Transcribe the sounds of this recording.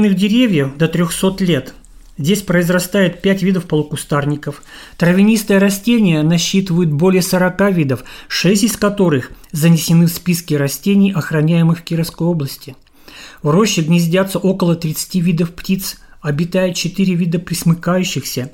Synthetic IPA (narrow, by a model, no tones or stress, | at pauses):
nɨɣdʲɪɾʲevʲjəxd̪ət̪ɾʲoxso̞t̪lʲe̞t̪ | zʲdʲesʲpɾəɪzrɐst̪ajɪt̪̚pʲætʲvʲid̪əfpəlˠʊkʊst̪arnʲɪkəf | t̪ɾəvʲɪnʲist̪əjəɾɐsʲtʲenʲɪjənɐɕːit̪ɨvəjʊt̪̚bo̞lʲɪjəsəɾɐkavʲid̪əfʂɛsʲtʲɪskɐt̪o̞ɾɨx | zənʲɪsʲɪnɨfspʲiskʲɪɾɐsʲtʲenʲɪjʔɐxɾɐnʲæjɪmɨxkʲiɾəfskəjo̞blˠəsʲtʲɪ | vro̞ɕːɪɡnʲɪzʲdʲat̪sːəʔo̞kəlˠət̪ɾʲɪt̪sɨ̥tʲivʲid̪əfptʲit̪sɐbʲɪt̪ajɪt̪t͡ɕɪt̪ɨɾʲɪvʲid̪əpɾʲɪsmɨkajʉɕːɪxsʲə